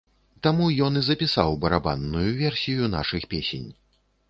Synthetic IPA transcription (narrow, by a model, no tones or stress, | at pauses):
t̪amujɔnizɐpʲisawbɐɾaba̰nːujuvʲɛrsʲijuna̰ʂɨxpʲesʲḛnʲ